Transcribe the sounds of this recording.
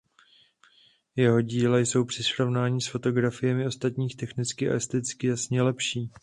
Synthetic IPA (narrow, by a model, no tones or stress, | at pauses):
jɛɦo̞ɟiːlɛjso̞wpr̥ɪsɾo̞vnaːɲiːsfo̞t̪o̞ɡɾafɪjɛmɪo̞st̪at̪ɲiːxt̪ɛxnɪt͡skɪʔa̰ɛst̪ɛt͡skɪjasɲɛlɛpʃiː